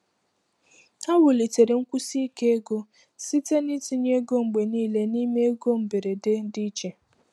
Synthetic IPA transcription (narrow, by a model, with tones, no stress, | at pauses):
a˦wʊ˨li˨te˨ɾe˨ŋ̩˦kʷu˦si˦ke˦e˦ɡo˦ | si˦te˦ni˦ti˨ɲe˦ɡo˦ŋ͡m̩˨ɡ͡be˨niː˦le˦ni˦me˦e˦ɡo˦m̩˨be˨ɾe˨de˦n̩˦di˦t͡ʃe˨